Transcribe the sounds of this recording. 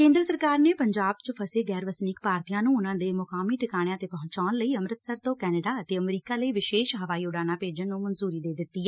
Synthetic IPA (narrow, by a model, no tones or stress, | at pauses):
kẽːnd̪ɾəsəɾkaːɾneːpəɲd͡ʒaːb̚t͡ʃəpʰəseːɡɛːɾʋəsnɪkpaːɾt̪ijãːnũːʊnãːd̪eːmʊkaːmiːʈɪkaːɽ̃jãːt̪eːpəɦʊ̃ɲt͡ʃaːnləiːəmɾət̪səɾt̪õːkɛːnəɖaːət̪eːəmɾiːkaːləiːʋɪʃeːʃɦəʋaːiːʊɖaːnãːpeːd͡ʒənːũːmənzuːɾiːd̪eːd̪ɪt̪ːiː